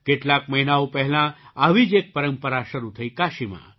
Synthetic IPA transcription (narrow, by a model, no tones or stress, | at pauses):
keʈlak̚mɐɦinaupɛɦlãəʋid͡ʒek̚pɐɾəmpəɾasɐɾut̪ʰəikaːʃimã̰